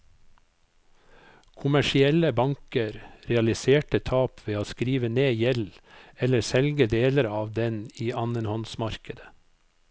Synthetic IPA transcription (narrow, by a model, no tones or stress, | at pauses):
kʰʊmæʃɪɛləbɑŋkəɾɾɛɑlɪseːʈət̪ʰɑːpʰʋeːoːskɾiːʋəneːjɛlɛləɾsɛlɡəd̪eːləɾɑːʋd̪ɛniːɑnənhɔnsmɑɾkəd̪ə